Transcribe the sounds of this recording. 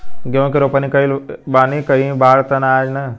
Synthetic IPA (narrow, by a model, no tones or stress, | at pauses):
ɡjõːkiɾopənikəilbaːnikəɦĩbaːɾt̪ənaːd͡ʒnɐ